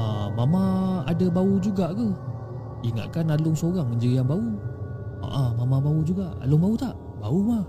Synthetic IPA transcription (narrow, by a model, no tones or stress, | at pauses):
amamãa̰dəbaud͡ʒuɡaʔkə | iŋa̰ʔ̪̚kanalʊŋsoɣaŋməɲd͡ʒəiaŋbau | a̰ʔamamãbaud͡ʒuɡaʔa̰lʊŋbaut̪aʔ | bauma